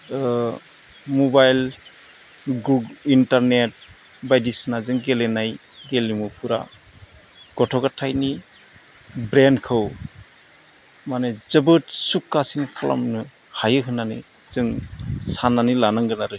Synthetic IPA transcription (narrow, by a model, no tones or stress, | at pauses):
mubajl | ɡuɡintaɾnet̚ | bajdisnazɯŋɡelenaj | ɡelimupʰuɾa̰ | ɡ̥ɔtʰɔɡatʰajni | bɾenkʰɯw | manezɯbɯt̚sukːasinkʰala̰mnɯ | hajɯɦɯnanḭ | zɯŋsananilanaŋɡɯnaɾɯ